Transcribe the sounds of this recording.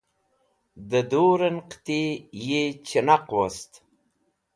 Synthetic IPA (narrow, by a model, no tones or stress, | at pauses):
d̪əd̪oɾənqt̪ejet͡ʃənaqwast̪